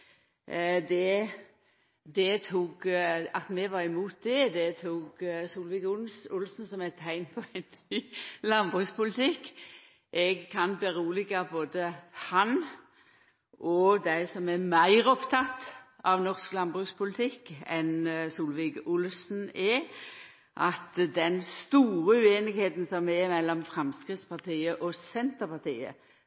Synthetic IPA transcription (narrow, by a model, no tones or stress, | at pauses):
d̪ɛ | d̪ɛt̪ʰuːɡɑt̪mɛʋɑʁɪmuːt̪̚d̪ɛd̪ɛt̪ʰuːɡsuːlʋɪkʊsʊlsn̩sɔmɛt̪ʰhæɪnpʰɔæɪnː | lɑnbʁʉkspʊlɪt̪ʰɪkː | ʔɛɡkʰɑnbɛʁuːlɪɡɑboːd̪əhɑn | ʔɔd̪æɪsɔmɛmæɪʁɔpt̪ʰɑt̪ː | ɑʋnɔʁsklɑnbʁʉːkspʰʊlɪt̪ʰɪkːɛnsuːlʋɪkʊlsn̩ɛ | ʔɑt̪d̪ɛnst̪uːʁəʉːeːnɪɡheːt̪nsɔmɛmɛlːɔmfʁɛmskʁɪt̪spɑʁt̪ʰiːəʔɔsɛnt̪əpɑt̪iːə̰